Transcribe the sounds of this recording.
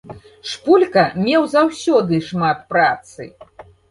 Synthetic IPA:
ʂpulʲkɐmʲɛwzawsʲɔd̪ɨʂmat̪̚pɾat̪sɨ̰

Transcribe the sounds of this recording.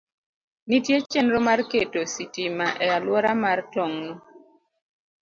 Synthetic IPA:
nitjet͡ʃɛnɾomarketositimaʔɛalwɔɾamartɔŋnu

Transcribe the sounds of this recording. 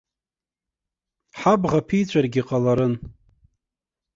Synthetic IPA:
ħabʁapʰijt͡ɕʷʰʼarɡʲiqʼalaɾɨn

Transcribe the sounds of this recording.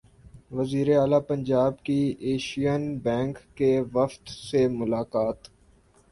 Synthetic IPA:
ʋɐziːɾeaːlapɐ̃ɲd͡ʒaːb̚kieːʃijənbɛ̃ːŋkːeʋɐft̪semʊlaːkaːt̪

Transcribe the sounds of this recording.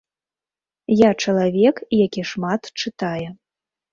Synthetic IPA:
jat͡ʂɐlˠavʲɛkjakʲiʂmat̪t͡ʂɨt̪ajɛ

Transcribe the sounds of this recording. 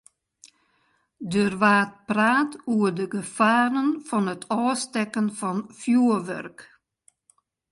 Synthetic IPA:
døːrʋaːt̚praːtuədəɡəfaːɾənfɔnətʰɔːstɛkənfɔnfjuəʋœ̰rk

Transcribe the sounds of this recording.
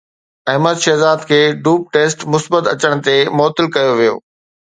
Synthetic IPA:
ɐɦməd̪ʃɛːzaːd̪kʰeːɖuːp̚ʈeːsʈmʊsbət̪ɐt͡ɕəɽ̃̆t̪emɔːt̪ɪlkɐjoʋijo̰ː

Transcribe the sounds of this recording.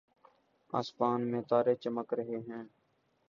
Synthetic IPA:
a̰ːspaːnmẽːt̪aːɾeːt͡ʃəməkɾəɦeːɦɛ̃ː

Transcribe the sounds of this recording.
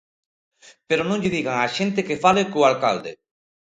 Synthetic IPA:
peɾonõŋʎɪðiɣaŋaʃẽnt̪ekefalekoalka̰ld̪ḛ

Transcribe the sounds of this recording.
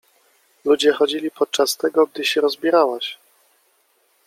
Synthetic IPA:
lud͡ʑɛxɔd͡ʑilʲipɔt̪̚t͡ʂast̪ɛɡɔɡ̚d̪ɘɕɛɾɔzbʲiɾawaɕ

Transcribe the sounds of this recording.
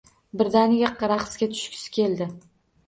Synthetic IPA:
bɪɾd̪anɪɡʲaqɾaqsɡʲat̪ʰʊ̥ʃkʰʲsɪ̥kʲʰe̞ld̪ɪ

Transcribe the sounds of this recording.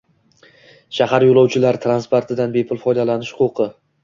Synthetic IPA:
ʃahaɾjolˠɒwt͡ʃʰɪlaɾt̪ʰɾanspoɾt̪ʰɪd̪anbe̞pʰʊlˠfɒjd̪alanɪʃhʊqʊqʰɨ

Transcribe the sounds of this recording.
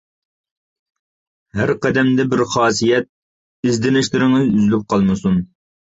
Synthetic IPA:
hæɾqɛd̪ɛmd̪ɛbɪɾχɑːsijɛt̪̚ | izd̪ɪnɪʃlɪɾɪŋɪzyzlyp̚qʰɑlˠmɨsun

